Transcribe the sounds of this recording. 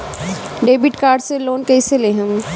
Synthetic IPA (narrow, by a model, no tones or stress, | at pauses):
ɖeːbɪʈkaːɾɖseloːnkɛɪseleɦə̃m